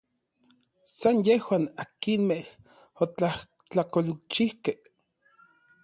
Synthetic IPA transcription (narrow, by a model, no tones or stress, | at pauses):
sanjehwaːnakinmeh | ot͡ɬah | t͡ɬakolt͡ʃihkeh